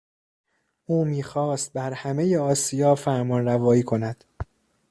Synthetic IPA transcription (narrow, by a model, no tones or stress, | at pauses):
ʔuːmiːxɒːst̪̚bæɾhæmejeɒːsijɒːfæɾmɒːnɾævɒːiːkʰo̞næd̪̥